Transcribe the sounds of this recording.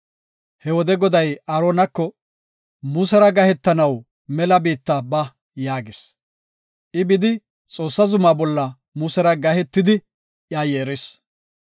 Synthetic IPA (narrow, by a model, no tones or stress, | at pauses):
hɛwɔd̪ɛɡɔd̪ɐjɐɾoːnɐkːɔ | muːsɛɾɐɡɐhɛt̪ːɐnɐw | mɛlɐbiːt̪ːɐbɐ | jaːɡɪs | ʔɪbɪd̪ɪ | t͡sʼo̞ːsːɐzʊmaːbɔlːɐ | muːsɛɾɐɡɐhɛt̪ːɪd̪ɪ | ʔjaːjeːɾɪs